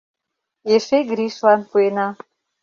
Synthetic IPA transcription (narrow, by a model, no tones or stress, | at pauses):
jeʃejɡɾiʃlanpʰuena